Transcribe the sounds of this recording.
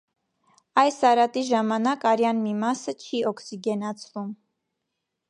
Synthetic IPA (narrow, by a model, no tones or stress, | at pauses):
ɑjsɑɾɑt̪iʒɑmɑnɑkɑɾjɑnmimɑsət͡ʃʰiʔɔkʰsiɡɛnɑt͡sʰvum